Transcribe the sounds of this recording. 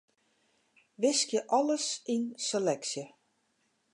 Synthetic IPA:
ʋɪskjəʔɔləsinselɛksjə

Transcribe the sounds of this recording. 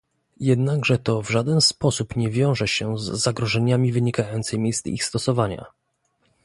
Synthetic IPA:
jɛd̪naɡʐɛt̪ɔvʐad̪ɛnspɔsupɲɛvʲjɔ̃w̃ʐɛɕɛzːaɡɾɔʐɛɲamʲivɘɲikajɔnt̪sɛjmʲejst̪ḭxst̪ɔsɔvaɲa̰

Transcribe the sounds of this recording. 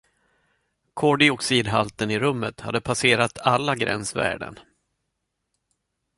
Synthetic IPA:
kʰɔɖɪɔksiːd̪ɦalt̪ənɪɾɵmːət̪ha̰d̪ːəpʰaseːɾat̪ʰalːaɡɾɛ̰nsvæ̰ːɖə̰n

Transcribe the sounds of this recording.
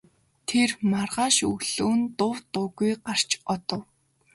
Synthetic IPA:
t̪ʰermarʁaːʃɵɣɮ̥uːnt̪ʊwt̪ʊɣujɢar̥t͡ɕɔt̪ɞ̆w

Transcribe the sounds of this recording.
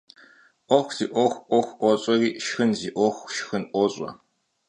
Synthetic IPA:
ʔʷɔxʷz̥iːʔʷɔxʷʔʷɔxʷʔʷɔɕʼɔriːʃxɨnziːʔʷɔxʷʃxɨnʔʷɔɕʼɔ̰

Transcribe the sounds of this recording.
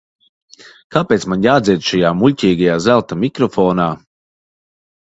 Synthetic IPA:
kaːpeːt̪smanjaːd̪ziɛd̪ʃajaːmulʲcʲiːɡajaːzælˠt̪amikɾɔfɔːnaː

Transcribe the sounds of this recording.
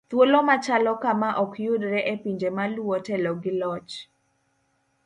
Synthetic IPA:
t̪wolɔmat͡ʃalɔkamaʔɔkjʊdɾɛʔɛpiɲd͡ʒemaluwɔtɛlɔɡɪlɔt͡ʃ

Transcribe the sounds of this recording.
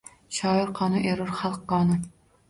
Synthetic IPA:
ʃɑːjɪɾqʰɑːnɨʔeɾɨɾχɑlˠqːɑːnɨ

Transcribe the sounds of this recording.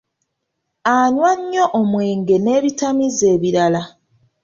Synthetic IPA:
aɲwaɲːo̞ʔomwe̞ːŋɡe̞ne̞ːβitamize̞ːβiɾala

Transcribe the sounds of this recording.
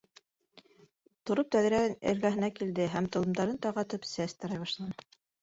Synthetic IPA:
t̪ŏɾop̚t̪æð̆ɾænɘ̰̆ɾɡæɦɘ̆nækild̪ɘɦæmt̪ɤ̆lˠɤ̆md̪ɑɾɤnt̪ɑʁɑt̪ɤpsæst̪ɑɾɑjβɑʃlˠɑnɤ

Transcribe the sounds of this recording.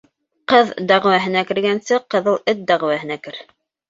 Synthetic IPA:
qɤðd̪æʁwæɦɘ̆nækɘ̆ɾɡænsɘqɤ̆ðɤlˠɘt̪̚d̪æʁwæhɘ̆nækɘɾ

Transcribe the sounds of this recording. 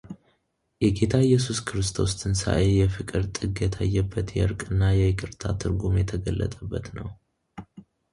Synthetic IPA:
jɛɡe̞t̪ʰaɛjːɛsuskʰɨɾɨst̪ʰo̞st̪ʰɨnsa̰ʔejɛfɨkʼɨɾt̪ʼɨɡjɛt̪ʰajːəbːət̪jɛɨɾkʼɨnːajɛjɪkʼɨɾt̪ʰat̪ʰɨɾɡumjɛt̪ʰəɡəlːə̰t̪ʼəbːət̪nəw

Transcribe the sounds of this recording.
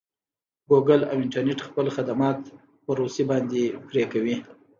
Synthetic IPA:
ɡoɡala̰wɪɳʈaɾneʈxpəlxad̪amɑt̪ | pəɾosibɑnd̪epɾekawi

